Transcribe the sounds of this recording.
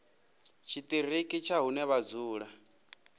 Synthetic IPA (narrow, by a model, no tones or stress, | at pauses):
t͡ʃʰit̪ʼirikʼit͡ʃʰaɦunɛβad͡zuːɺa